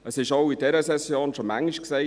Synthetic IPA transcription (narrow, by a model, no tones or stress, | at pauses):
əsɪʃaʊidɛɾəsɛsjoːnʃomæŋiʃkseː